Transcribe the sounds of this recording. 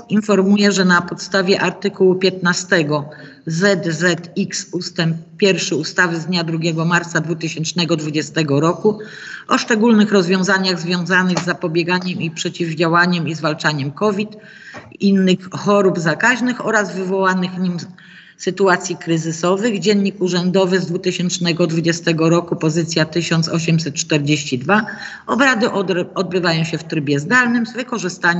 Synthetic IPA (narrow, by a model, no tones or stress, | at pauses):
infɔɾmujɛʐɛnapɔt̪st̪avʲjɛʔaɾt̪ɘkuwupʲjɛt̪nast̪ɛɡɔ | zɛd̪zɛt̪iksust̪ɛmp̚pʲːjɛɾfʂɘust̪avɘzd̪ɲad̪ɾuɡʲɛɡɔmaɾt̪sad̪vut̪ɘɕɛnt͡ʂnɛɡɔd̪vud͡ʑɛst̪ɛɡɔɾɔkuɔʂt͡ʂɛɡulnɘxɾɔzvʲjɔ̃w̃zaɲaɣzvʲjɔ̃w̃zanɘɣzːapɔbʲjɛɡaɲɛmipʂɛt͡ɕivd͡ʑawaɲɛmizvalt͡ʂaɲɛmkɔvʲit̪ | inːɘxxɔɾubzakaʑnɘxɔɾazvɘvɔwanɘxɲim | sɘt̪uat̪sʲjikɾɘzɘsɔvɘɣd͡ʑɛnɲːikuʐɛnd̪ɔvɘzd̪vut̪ɘɕɛnt͡ʂnɛɡɔd̪vud͡ʑɛst̪ɛɡɔɾɔkupɔzɘt̪sʲjat̪ɘɕɔnt̪sɔɕɛmsɛt̪̚t͡ʂt̪ɛɾd͡ʑeɕt͡ɕid̪va | ɔbɾad̪ɘɔd̪̚bɘvajɔ̃w̃ɕɛft̪ɾɘbʲjɛzd̪alnɘmzvɘkɔʐɘst̪aɲ